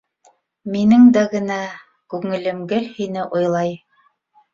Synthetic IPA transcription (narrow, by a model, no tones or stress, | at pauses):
minɘŋd̪æɡɘ̆næ | kʉŋɘ̆lɘ̆mɡɘlhinɘʔojlˠɑj